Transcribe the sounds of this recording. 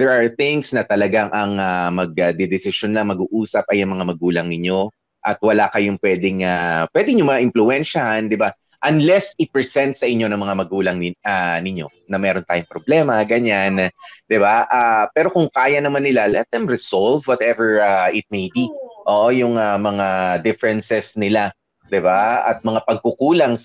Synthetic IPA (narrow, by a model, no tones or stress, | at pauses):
d̪ɛɹʔɐɹθɪŋsnɐt̪ɐlɐɡaŋʔɐŋamɐɡ̚ɐd̪ɛd̪ɪsɪʃonlɐŋmɐɡuːʔuːsɐp̚ɐjɐŋmɐŋamɐɡuːlɐŋnɪɲo̞ | ʔɐt̪̚wɐlakɐjoŋpwɛːd̪ɪŋapwɛd̪ɪŋɲʊŋmɐŋaʔɪmflʊɛnʃɐhand̪ɪba | ʔɐnlɛsɪpɹɛsɛnt̪̚sɐʔɪɲːo̞nɐŋmɐŋamɐɡuːlɐŋnɪanɪɲo̞ | nɐmɛːɾo̞nt̪aːjʊŋpɾoblɛːmɐɡɐɲand̪̥ɪbaʔaːpɛːɾo̞kʊŋkaːjɐnɐmanːɪlalɛt̪̚ajmɾɪsolvwɔt̪ʔɛvɛɹaɪt̪̚mejbiʔoʔojʊŋɐmɐŋad̪ɪfɛɾɛnsɛsnɪla | d̪ɪbaɐ̰t̪̚mɐŋapɐɡ̚kʊkuːlɐŋ